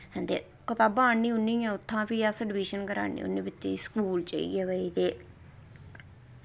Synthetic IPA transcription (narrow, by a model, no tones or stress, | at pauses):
ɦɛ̃ːnd̪ḛː | kət̪aːbaːniːʊnːiːɛ̃ːʊt̪ʰːãːpiːasəɖɪʋiːʃənkəɾa̰ːnḭːʊ̰nːẽːbɪt͡ʃːeːiskuːlt͡ʃa̰ːḭːɡɛːʋəiːt̪eː